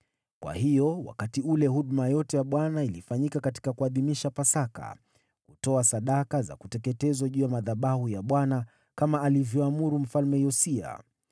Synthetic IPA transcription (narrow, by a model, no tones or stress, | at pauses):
kwa̰hijɔwa̰katiulɛɦuɗmajɔtɛjaɓwanailifaɲikakati̥kakuaðimiʃapasaka̰ | kutɔasaɗakaza̰kutɛkɛtɛzɔʄuːjamaðaɓahujaɓwana | kamaʔːlivjɔamuɾum̩falmɛjɔsia̰